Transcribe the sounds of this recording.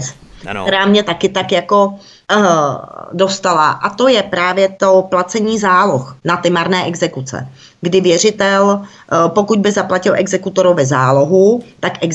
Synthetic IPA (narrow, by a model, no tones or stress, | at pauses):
k̪ɛɾaːmɲɛt̪akɪt̪akjako̞ | do̞st̪alaʔat̪o̞jɛpɾaːvjɛt̪o̞plat͡sɛɲiːzaːloxnat̪ɪmaɾnɛːʔɛɡzɛkut͡sɛ̰ | ɡdɪvjɛr̝ɪt̪ɛl | po̞kud̪̚bɪzaplacɪlʔɛɡzɛkut̪oɾowvɛzaːlo̞ɦut̪akʔɛɡ